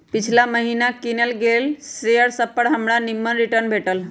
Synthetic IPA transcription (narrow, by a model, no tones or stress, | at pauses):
pit͡ʃʰlaməɦinakinelɡelsejəɽsəpːəɽɦəmɽanimːənɾiʈəɾnbʱeʈəl